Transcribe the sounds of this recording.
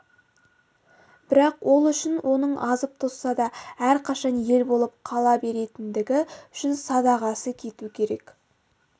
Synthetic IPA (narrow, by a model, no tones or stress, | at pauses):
b̥ɪɾɑqwʔo̞lˠʏʃɪnwʔo̞nəɴʔɑzəp̚t̪ʰosːɑd̪ɑæɾqʰɑʃɑnje̞lbo̞lˠəp̚qʰɑlˠɑbe̞ɾe̞t̪ɪnd̪ɪɡʲɪʏ̥ʃɪnsɑd̪ɑʁɑsəkʲʰe̞t̪ukʲʰe̞ɾe̞k